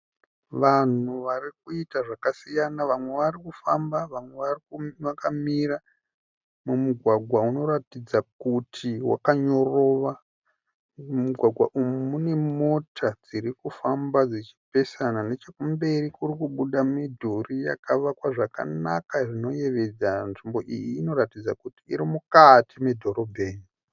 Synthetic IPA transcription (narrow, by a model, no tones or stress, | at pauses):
ʋan̤uʋarik̚uitaʐakasijanaʋamwe̞ʋarikufambaʋamwe̞ʋarikuʋakamiɾa | mumuɡʱwaɡʱwauno̞ɾatid͡zakutʰiwa̰kaɲo̞ro̞ʋa | muɡʱwaɡʱwaʔumumune̞mo̞tʰad͡ziɾikufambad͡zit͡ʃi̥pe̞sanane̞t͡ʃe̞kumbe̞rikurikuɓuɗamidʱurija̰kaʋakwaʐaka̰nakaʐino̞je̞ʋe̞d͡zanʐimbo̞ʔḭjiːno̞ɾatid͡za̰kuti̥ḭɾimukatʰime̞dʱo̞ɾo̞bʱe̞ːni